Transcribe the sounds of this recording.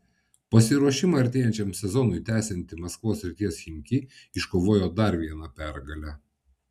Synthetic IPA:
pɐsʲɪɾuɔʃʲɪmɐɐɾʲt̪ʲeːjɛnʲt͡ʃʲɛmsʲɛzɔnʊɪt̪ʲæːsʲɛnʲt̪ʲɪmɐskʋoːsɾʲɪt̪ʲiɛsxʲɪŋʲkʲiɪʃkoːʋoːjoːd̪ɐɾʋʲiɛnɐpʲæɾɡɐlʲæ

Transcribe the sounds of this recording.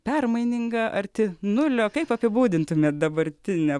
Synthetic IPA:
pʲɛrmɐɪnʲɪŋɡɐʔɐrt̪ʲɪnʊlʲoːkɐɪpɐpʲɪbuːd̪ʲɪnt̪ʊmʲeːt̪̚d̪ɐbɐɾʲt̪ʲɪnʲɛ

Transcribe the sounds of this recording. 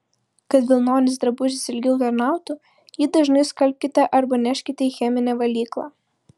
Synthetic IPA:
kɐt̪ʋʲɪlˠnoːnʲɪsd̪ɾɐbʊʒʲɪsʲɪlʲɡʲɛʊt̪ɐɾnɑˑʊt̪u | jɪd̪ɐʒnɐɪskɐlʲp̚ʲkʲɪt̪ɐʔɐɾbɐnʲɛʃʲkʲɪt̪ʲɛixʲɛmʲɪnʲɛʋɐlʲiːklˠɑ̰

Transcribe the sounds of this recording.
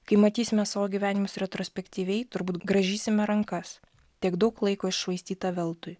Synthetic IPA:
kɐɪmɐt̪ʲiːsʲɪmʲɛsɑːʋoːɡʲiʋʲæːnʲɪmʊsɾʲɛt̪ɾoːsʲpʲɛkt̪ʲiːʋʲɛɪt̪ʊɾbuːt̪ɡɾɐʒʲiːsʲɪmʲɛɾɐŋkɐs | t̪ʲiɛɡd̪ɐʊklˠɐɪkoːɪʃʃʋɐɪst̪ʲiːt̪ɑːʋʲɛlˠt̪ʊj

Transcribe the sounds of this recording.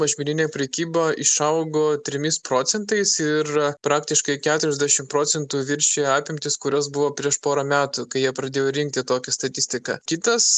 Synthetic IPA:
mɐʒʲmʲɪnʲɪnʲeːpʲɾʲɛkʲiːboːɪʃɐʊɡoːt̪ʲɾʲɪmʲɪspɾoːt̪sʲɛnt̪ɐɪsɪɾpɾɑːkt̪ʲɪʃkɐɪkʲæːt̪ʊɾʲɛzʲd̪ʲæʃʲɪmpɾoːsʲɛnt̪uːʋʲɪɾʲʃʲeːɑːpʲɪmʲt̪ʲɪskʊɾʲosbʊʋoːpʲɾʲiɛʃpoːɾɐmʲæːt̪ukɐɪjiɛpɾɐd̪ʲeːjoːɾʲɪŋk̚t̪ʲɪt̪oːkʲɛst̪ɐt̪ʲɪsʲt̪ʲɪkɑ̰ːkʲɪt̪ɐs

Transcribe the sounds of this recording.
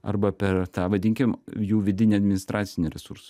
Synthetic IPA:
ɐ̰ɾbɐpʲɛɾt̪ɑːʋɐd̪ʲɪŋʲkʲɪmjuːʋʲɪd̪ʲɪnʲiɐd̪ʲmʲɪnʲɪst̪ɾʔɑːt̪sʲɪnʲɪɾʲɛsuɾsʊ̥

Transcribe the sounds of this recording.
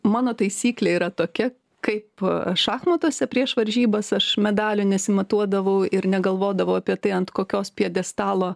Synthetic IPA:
mɑːnoːt̪ɐɪsʲiːklʲeiːɾɐt̪oːkʲɛ | kɐɪpʃɑːxmɐt̪uːsʲɛpʲɾʲiɛʃʋɐɾʲʒʲiːbɐsɐʃmʲɛd̪ɑːlʲʊnʲɛsʲɪmɐt̪uɔd̪ɐʋɐʊɪɾnʲɛɡɐlˠʋoːd̪ɐʋɐʊɐpʲiɛt̪ɐɪɐnt̪koːkʲoːspʲiɛd̪ʲɛst̪ɑːlˠoː

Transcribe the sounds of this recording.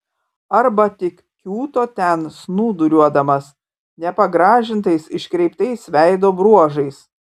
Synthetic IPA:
ɐɾbɐt̪ʲɪk | kʲuːt̪oːt̪ʲɛnsnuːd̪ʊɾʲuɔd̪ɐmɐs | nʲɛpɐɡɾɑːʒʲɪnt̪ɐɪsɪʃʲkɾʲɛɪpt̪ɐɪsʋʲæɪd̪oːbɾuɔʒɐɪs

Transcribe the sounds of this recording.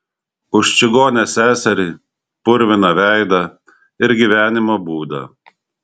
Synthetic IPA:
ʊʃt͡ʃʲɪɡoːnʲɛsʲæːsʲɛɾʲiː | pʊɾʲʋʲɪnɐʋʲæˑɪd̪ɐ | ɪɾɡʲiʋʲæːnʲɪmoːbuːd̪ɐ̰

